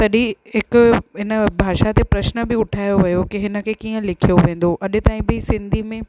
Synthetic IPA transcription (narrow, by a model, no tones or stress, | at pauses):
t̪ɐɗĩɦɪkʊɦɪnə̆bʱaːʃat̪epɾɐʃnə̆bɪʊʈʰaːjoʋɐjokiɦɪnə̆kʰekiːə̃lɪkʰijoʋẽːn̆d̪oʔɐɗɪ̆t̪aːĩbɪsɪ̃nd̪ʱimẽ